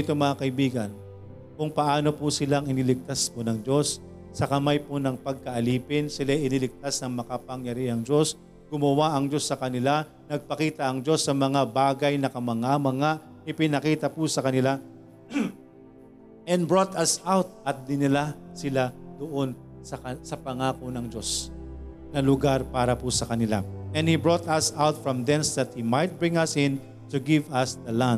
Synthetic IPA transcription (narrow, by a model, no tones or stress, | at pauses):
t̪oŋmɐŋakɐʔɪbiːɡɐn | kʊŋpɐʔaːno̞pusɪlaŋɪnɪlɪk̚t̪asponɐŋd͡ʒo̞sː | ɐkɐmajponɐŋpɐɡ̚kɐʔɐliːpɪnsɪlajɪnɪlɪk̚t̪asnɐŋmɐkɐpɐŋjɐɾiʔɐŋd͡ʒo̞s | ɡ̥ʊmɐwaʔɐŋd͡ʒo̞sːɐkɐnɪla | nɐɡ̚pɐkiːt̪ɐʔɐŋd͡ʒo̞sːɐmɐŋabaːɡɐjnɐkɐmɐŋamɐŋa | ɪpɪnɐkiːt̪ɐpʊsɐkɐnɪla | ʔɛ̃nbɹot̪ɐsawt̪̚ʔɐt̪̚d̪ɪnɪlasɪlad̪oʔon | sɐkɐsɐpɐŋaːkonɐŋd͡ʒo̞s | nɐlʊɡaɾpaːɾɐpusɐkɐnɪla̰ɛ̃nhibɹot̪ɐsawt̪̚fɹɐmd̪ɛnsd̪ɐt̪̚himajt̪̚bɹɪ̃ŋɐsɪ̃n | t̪uɡɪvɐsd̪ɐla